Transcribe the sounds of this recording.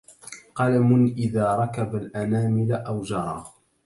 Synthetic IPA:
qɑlamʊnʔɪðaːɾˤɑkabalʔanaːmɪlaʔawd͡ʒɑɾˤɑː

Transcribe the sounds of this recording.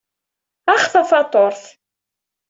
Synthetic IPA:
aχθɑθɑt̪ˤoɾθ

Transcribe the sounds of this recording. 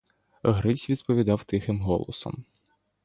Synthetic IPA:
ɦɾɪsʲʋʲid̪pɔʋʲid̪ɑwt̪ɪxɪmɦɔlˠɔ̰sɔ̰m

